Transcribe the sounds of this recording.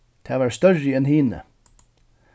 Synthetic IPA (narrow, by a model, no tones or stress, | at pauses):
t̪ʰeɑːʋæːɾst̪œɹɪɛnhiːnə̰